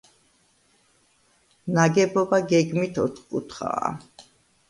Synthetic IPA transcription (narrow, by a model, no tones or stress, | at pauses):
naɡɛbɔbaɡɛɡmit̪ʰɔt̪ʰχkʼut̪ʰχa̰ː